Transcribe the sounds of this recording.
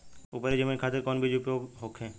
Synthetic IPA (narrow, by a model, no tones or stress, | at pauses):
ʊpəɾed͡ʒəmənkʰaːt̪ekɔːnbʱid͡ʒʊpjoːɡɦokʰɦɛ̃ː